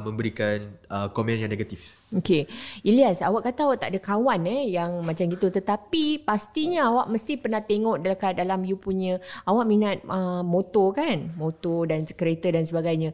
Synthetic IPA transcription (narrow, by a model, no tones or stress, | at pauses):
mə̃mbəɾikanəkomɛ̃njãŋneɡat̪if | okeiliasawaʔkat̪awaʔt̪a̰ʔdakawanɛjaŋmat͡ʃamɡit̪ut̪ət̪apipast̪iɲəawaʔməst̪ipərnaht̪eŋɔʔdələkadalamjupuɲə̃awaʔminat̪̚əmot̪okanmot̪odankəɾet̪ədansəbaɡajɲã